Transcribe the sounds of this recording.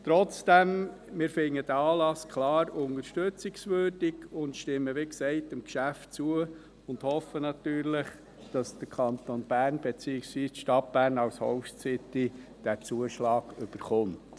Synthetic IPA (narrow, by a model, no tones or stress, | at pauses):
t̪ɾɔt͡sd̥ɛmmɪːɾfɪŋːəd̥əɑːlɑskʰlɑːɾʊŋəɾʃtøt͡sɪksʋøːɾd̥iɡʊntʃtɪmːəʋiksɛɪtɪmkʃæftt͡suə | ʊndhɔfənɑtyːɾlɪχ | d̥ɑsd̥əɾkʰɑnt̪onb̥æːɾnb̥et͡siːɪksʋiːsʃtɑt̚b̥æːɾnɑwshɔʊt͡sɪt̪i | d̥æt͡suəʃlɑːɡ̥ʏb̥əɾχʊmt